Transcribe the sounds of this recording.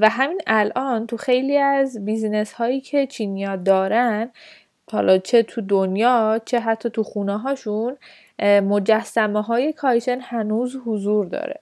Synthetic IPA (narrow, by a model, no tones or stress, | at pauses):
væɦæmiːnælʔɒːnt̪ʰuxe̞jliːæzbizne̞shɒːiːcʰe̞t͡ʃʰiːnijɒːd̪ɒːɾæn | hɒ̰lʔɒt͡ʃʰe̞t̪ʰud̪onjɒːt͡ʃʰe̞ɦæt̪ʰːɒːt̪ʰuxuːneɦɒːʃun | mo̞d͡ʒæsːæmeɦɒːje̞kʰɒjʃʰenhænuːzhozuːɾd̪ɒ̰ːɾḛ